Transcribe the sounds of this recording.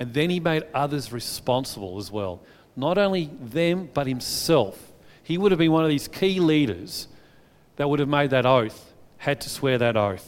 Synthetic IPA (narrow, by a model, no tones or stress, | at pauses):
ɨ̃nðɨ̃nimeɪɾʌðə˞zɹɨspɑ̃nsəbl̩ˠəzwɛ̰lˠ | nəɾõʊ̃nliðɨ̃mb̥ʌt̚hɨ̃msɛlˠfhiwʊɾɨvbɨ̃nwʌ̃nʌvðiz̥kʰiliɾə̰˞z̥ | ðɨt̚wʊɾɨvmeɪd̪̚ðɨɾoʊθ | hɨd̚tʰɨswɛɹðɨɾoʊθ